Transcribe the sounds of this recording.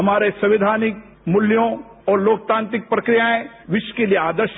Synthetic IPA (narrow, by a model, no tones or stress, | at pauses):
ɦɐmaːɾesɐ̃ʋɪd̪ʱaːnɪk̚ | mʊljõ | ɔːɾloːk̚t̪ãːnt̪ɾɪk̚pɾɐkɾijaẽ | ʋɪʃw̥kelijeaːd̪əɾʃ